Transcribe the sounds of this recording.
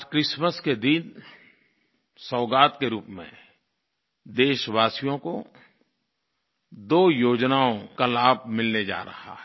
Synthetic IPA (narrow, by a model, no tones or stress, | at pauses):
kɾɪʃməsked̪ɪn | sɔːɡaːt̪keɾuːpmḛ̃ | d̪eːʃwaːsijõko | d̪oːjoːd͡ʒnaːõkalaːb̚mɪlned͡ʒa̰ːɾɐ̰ha̰ɦɛ